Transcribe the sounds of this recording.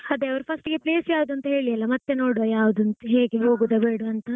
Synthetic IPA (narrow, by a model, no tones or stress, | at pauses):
ɐd̪eɐʋɐɾpʰɐsʈɡepleːsjaːʋud̪uɐnt̪ɐɦe̞ːɭijɐlːɐmɐt̪ːe̞no̞ːɽojaːʋud̪uɐnt̪ɐɦeːɡeɦo̞ːɡud̪ebeːɽuɐnt̪ɐ